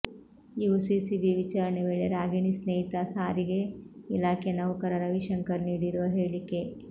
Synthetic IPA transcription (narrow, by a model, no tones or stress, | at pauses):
juʋusisibiʋit͡ʃaːɾɐɳeʋeːɭeɾaːɡiɳisneːit̪asaːɾiɡeilaːkʰenɐʋukɐɾɐɾɐʋiʃɐŋkɐɾniːɽiɾuʋɐɦeːɭike